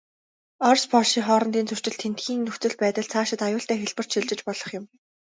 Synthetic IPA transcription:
ɔrspɔɮʃiːŋχɔːɾɞ̆nt̪iːnt͡sʰɵr̥t͡ɕɪ̆ɬt̪ʰent̪xiːŋnɵxt͡sɵ̆ɮpæːt̪ə̆ɮt͡sʰaːʃɪ̆t̪ajʊːɬt̪æːxeɮpə̆r̥t͡ɕʃiɮt͡ɕɪ̆t͡ɕpɔɮɞ̆χjɪ̆m

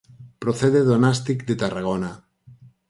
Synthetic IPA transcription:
pɾoθeðeðonast̪ikd̪et̪araɣ̞ona

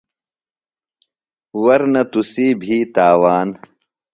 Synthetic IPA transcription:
wɐɾnɐt̪usiːbʱiːt̪aːwaːn

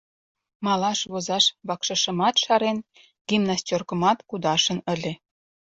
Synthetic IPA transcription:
mɑlɑʃβozɑʃβɑkʃə̆ʃə̆mɑt̪ʃɑɾen | ɡ̥imnɑst͡ɕʲorkə̆mɑt̪kud̪ɑʃə̆nəlʲe

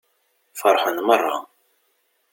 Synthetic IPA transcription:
fəɾˤħənmərˤːɑ̰

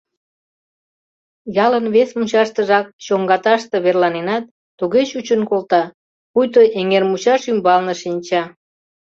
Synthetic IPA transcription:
jɑlənβesmut͡ɕɑʃt̪əʒɑk̚ɕoŋɡɑt̪ɑʃt̪eβerlɑnenɑt̪ːuɣet͡ɕut͡ɕənkolt̪ɑ | pujt̪oʔeŋermut͡ɕɑʃymbɑlnəʃinʲt͡ɕɑ

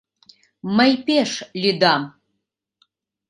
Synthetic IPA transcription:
mɐjpeʂlʲid̪am

